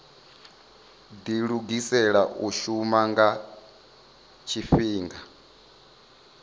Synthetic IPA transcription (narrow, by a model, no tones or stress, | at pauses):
diɺuɡisɛɺaʔuʃumaŋɡa | t͡ʃʰifiːŋɡa